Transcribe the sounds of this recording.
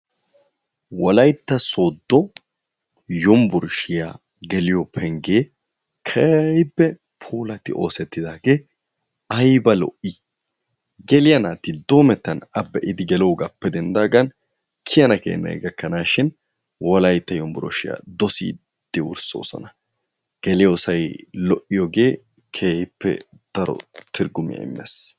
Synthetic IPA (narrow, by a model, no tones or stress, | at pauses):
wɔlɐjt̪ːɐso̞ːd̪ːɔ | jɔmbʊɾʃɪja̰ | ɡɛlɪjɔpʰɛŋɡeː | kʰɐjbːɛ | pʰoːlɐt̪ɪʔo̞ːsɛt̪ːɪd̪aːɡeː | ɐjbɐlɔ̰ʔɪ | ɡɛlɪjɐnaːt̪ɪd̪o̞ːmɛt̪ːɐnɐbːɛʔɪd̪ɪɡɛloːɡɐpːɛd̪ɛnd̪aːɡɐn | kʰɪjɐnɐkḛːnːɐ̰jɡɐkːɐnaːʃɪn | wɔlɐjt̪ːɐjɔmbʊɾɔ̰ʃɪjɐ̰d̪ɔsḭː | d̪̥ɪwʊ̰ɾso̰ːsɔ̰nɐ | ɡ̥ɛlɪjosɐjlɔʔːɪjɔɡe̞ː | kʰeːhɪpːɛ̰ | d̪̥ɐɾɔ̰t̪ɪɾɡʊmɪ̰jɐ̰ɪ̰mːɛ̰s